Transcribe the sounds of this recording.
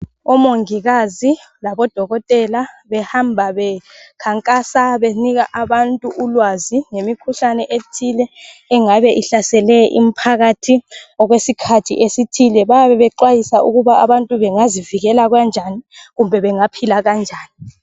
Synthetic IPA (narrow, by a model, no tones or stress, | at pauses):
ɔmoŋiɣazi | laβɔd̥ʱɔɣɔtʼɛla | βɛhambʱaβɛkʰaŋkʼasaβeniɣaʔaβantʼuʔulwaziŋemikʰuɬanɛʔetʰilɛːŋaβɛʔiɬasɛlɛʔḭm̩pʰaɣatʰiɔɣwesikʰatʰḭʔesitʰilɛβajaβɛβɛǃwajisaʔuɣuβaaβantʼuβɛŋaziviɣɛlaɣwand͡ʒʱaniɣumbʱɛβɛŋapʰilaɣand͡ʒʱaːni